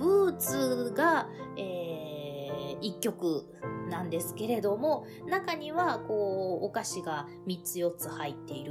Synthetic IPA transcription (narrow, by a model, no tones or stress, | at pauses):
bɯ̟ːt͡sɨɡaeː | ikʲːo̞kɯ̟ | nãnd̪e̞sɨ̥ke̞ɾe̞d̪o̞mo̞ | nakaɲ̟iβako̞ːkaɕiɡa | mʲit͡sɨjo̞t͡sɨhait̪ːe̞iɾɯ